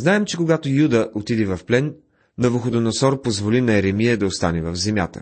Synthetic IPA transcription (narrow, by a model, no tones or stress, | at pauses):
znaɛmt͡ʃɛkoɡat̪ojud̪əʔot̪id̪ɛvɐfplɛnː | ovoxod̪onɐsɔɾpozvolinɐɛɾɛmijəd̪ɐost̪anɛvɐvzɛmʲja̰t̪ə̰